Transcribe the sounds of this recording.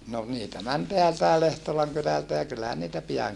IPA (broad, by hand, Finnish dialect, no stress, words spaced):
no niːtæ mæn teæltæe lehtolɑŋ kylæltæ jɑ kylːæhæn niːtæ piɑŋ